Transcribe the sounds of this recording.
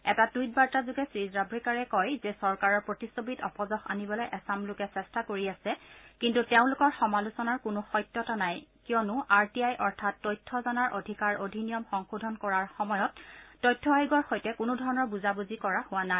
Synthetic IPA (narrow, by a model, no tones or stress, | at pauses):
ɛtatujt̚baɹtazʊɡɛsɹizɹabɹikaɹɛkɔjzɛsɔɹkaɹɔɹpɹotisobitɔpɔzɔxa̰nibɔlɔjʔɛsamlʊkɛsɛstakoɹiasɛkintuteʊ̃lʊkɔɹxɔmalʊsɔnaɹkʊnʊxɔjtjɔtanajkijɔnʊʔaɹtiajʔɔɹtʰatːɔjtʰːɔzɔnaɹʔo̰dʱikaɹodʱinijɔmxɔŋxudʱɔnkɔɹaɹxɔmɔjɔtːɔjtʰːɔajɡɔɹxojtɛkʊnʊdʱɔɹɔnɔɹbuzabuzikɔɹahʊwana